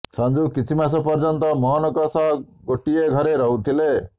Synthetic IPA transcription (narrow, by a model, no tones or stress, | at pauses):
sɔnd͡ʒukit͡ʃʰimas̬ɔpɔɾd͡ʒɔnt̪ɔmɔɦɔnɔkɔsaɡoʈieɡʱɔɾeɾɔɦut̪ʰile